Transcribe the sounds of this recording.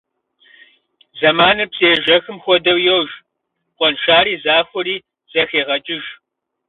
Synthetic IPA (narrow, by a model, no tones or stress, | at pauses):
zɐmaːnɐpsʼeːʒɐxɨmxʷɔdɐwjɛwʒ | qʷʼɔnʃaːɾiːzaːxʷʊɾiː | z̥ɐxeːʁɐt͡ʃʼɪʒ